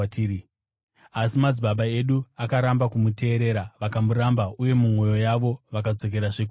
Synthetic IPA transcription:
tːi | asimad͡zibaɓaeɗuakaɾambakumute̞ːɾe̞ɾaʋakamuɾambaʔuje̞mumo̞jo̞jaʋo̞ʋakad͡zo̞k̬e̞ɾaʐeku

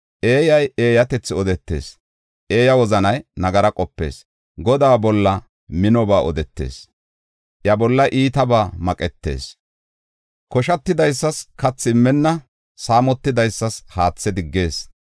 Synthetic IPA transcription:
ʔeːjɐje̞ːjɐt̪ɛt͡sːɪɔd̪ɛt̪ːe̞̰ːs | ʔe̞ːjɐwɔzɐnɐjnɐɡɐɾɐkʼɔpːe̞̰ːs | ɡɔd̪aːbɔlːɐ | mɪnɔbaːʔɔd̪ɛt̪ːe̞̰ːs | ʔjɐbɔlːɐʔiːt̪ɐbaːmɐkʼɛt̪ːe̞̰ːs | kɔʃɐt̪ːɪd̪ɐjsːɐskɐt͡sːɪɪmːɛnːɐ | saːmɔt̪ːɪd̪ɐjsːɐshaːt͡sːɛd̪ɪɡːe̞ːs

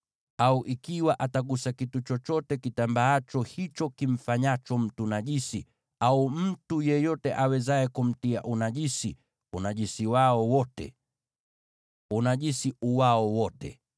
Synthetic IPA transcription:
auʔikiwaʔataɠusakitut͡ʃɔt͡ʃɔtɛkitambaat͡ʃɔhit͡ʃɔkiɱ̩faɲat͡ʃɔm̩tunaʄisi | aum̩tujɛjɔtɛʔawɛzaɛkum̩tiaʔunaʄisi | unaʄisiwaɔwɔtɛ̰ | unaʄisiuwaɔwɔtɛ̰

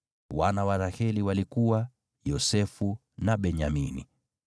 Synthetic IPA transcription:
wanawaɾahɛliwalikuwa | jɔsɛfu | naɓɛɲaminḭ

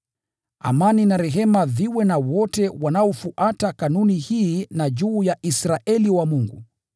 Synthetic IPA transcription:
a̰maninaɾɛɦɛmaðiwɛnawɔtɛwanaɔfuʔatakanunihiːnaʄuːjaʔisɾaʔɛliwamuŋɡṵ

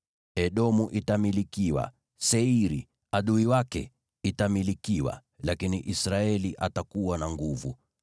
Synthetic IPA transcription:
ɛɗɔmuʔitamilikiwa̰ | sɛiɾi | aɗuiwakɛ̰ | itamilikiwa̰ | lakiniʔisɾaɛliʔatakuwanaŋɡuvu

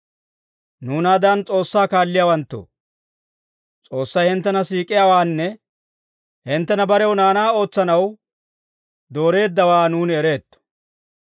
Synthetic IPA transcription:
nuːnad̪ɐnt͡sʼo̞ːsːaːkaːlːɪjaːwɐnt̪ːo̰ː | t͡sʼo̞ːsːɐjhɪnt̪ːɛnɐsiːkʼːɪjawaːnːɛ | hɪnt̪ːɛnɐbɐɾɛwnaːnaːo̞ːt͡sːɐnɐw | d̪o̞ːɾe̞ːd̪ːɐwaːnuːnɛɾe̞ːt̪ːɔ̥

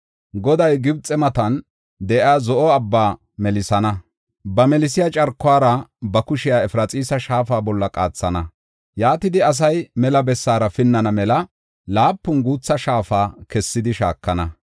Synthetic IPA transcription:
ɡɔd̪ɐjɡɪbt͡sʼɛmɐt̪ɐn | d̪ɛʔaːzɔʔɔɐbːaː | mɛlɪsɐnɐ | bɐmɛlɪsɪjɐt͡ʃʼɐɾkːʊaːɾɐbɐkʊʃɪjaːɛfɾɐt͡sʼiːsɐʃaːfaːbɔlːɐkʼa̰ːt͡sːɐnɐ | jaːt̪ɪd̪ɪɐs̬ɐjmɛlɐbɛsːaːɾɐfɪnːɐnɐmɛlɐ | laːpːʊnɡuːt͡sːɐʃaːfaːkɛsːɪd̪ɪʃa̰ːkːɐnɐ

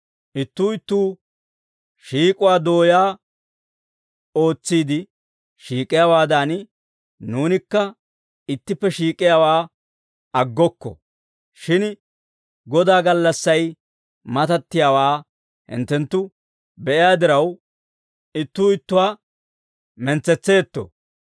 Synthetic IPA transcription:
ʔɪt̪ːuːɪt̪ːuː | ʃiːkʼʊwaːd̪o̞ːjaː | o̞ːt͡sːiːd̪ɪ | ʃiːkʼɪjaːwaːd̪an | nuːnɪkːɐ | ɪt̪ːɪpːɛʃiːkʼːɪjaːwaː | ɐɡːɔkːɔ̰ | ʃɪn | ɡɔd̪aːɡɐlːɐsːɐj | mɐt̪ɐt̪ːɪjaːwaː | hɪ̰nt̪ːɛnt̪ːʊ | bɛʔɪjaːd̪ɪɾɐw | ɪt̪ːʊːɪt̪ːʊwaː | mɛnt͡sːɛt͡sːe̞ːt̪ːɔ̰

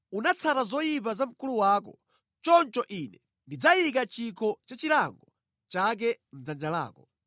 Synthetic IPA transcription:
unat͡sʰaɾazɔjipazam̩kuluwaːkɔ | t͡ʃɔnt͡ʃɔʔinɛ | ndid͡zajik̬at͡ʃikʰɔt͡ʃat͡ʃilaŋɡɔ | t͡ʃak̬ɛm̩d͡zand͡ʒala̰ːkɔ

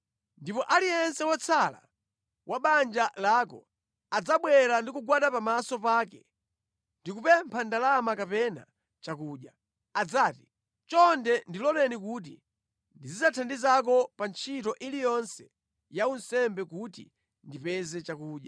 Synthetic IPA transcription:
ndipɔʔaliɛnsɛwat͡sʰala̰ | waɓand͡ʒalaːkɔ̰ | ad͡zaɓwɛɾandikuɡwaɗapamasɔpaːkɛ | ndikupɛmpʰandalamakapɛna̰ | t͡ʃakuːɗja | ad͡zaːti̥ | t͡ʃɔndɛndilɔlɛnikut̬ḭ | ndizid͡zatʰandizak̬ɔpant͡ʃʰitɔʔilijɔnsɛ̥ | jaunsɛmbɛkutḭ | ndipɛzɛt͡ʃakuːɗja

